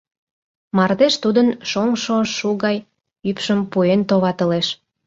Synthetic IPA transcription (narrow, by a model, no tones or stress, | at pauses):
mɑrd̪eʃt̪ud̪ənʃoŋʃoʃuɣɑj | ypʃəmpuent̪oβɑt̪ə̆leʃ